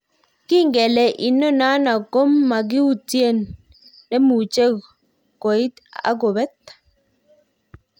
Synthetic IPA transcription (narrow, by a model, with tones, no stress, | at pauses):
ki˦ŋɡɛ˨le˨ʔi˨nɔ˦na˦na˨ko˦mːa˨ɡ̬i˦u˦t͡sje˦˨nː | e˦mu˨t͡ʃe˦ | ko˨i˦t̪a̰˦ɡo˨βɛ˦t̪